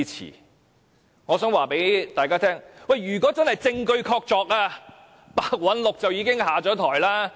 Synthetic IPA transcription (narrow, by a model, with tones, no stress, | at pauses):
t͡sʰḭː˨˩ | ŋɔː˨˧sœː˨˥ŋwaː˨pe˨˥jt̪aː˨kaː˥t̪ʰɛː˥ŋwɐ˨˩jɥyː˨˩kʷɔː˨˥t͡sɐ˥nhɐ˨jt͡sɪ˧ŋkɵ˧ɥkʰɔː˧k̚t͡ʃɔː˧k̚aː˧ | paː˨˧k̚wɐ˨˥nlʊ˨k̚t͡sɐ˨wjiː˨˧kɪ˥ŋhaː˨t͡ʃɔː˨˥t̪ʰɔ̰ː˨˩jlaː˥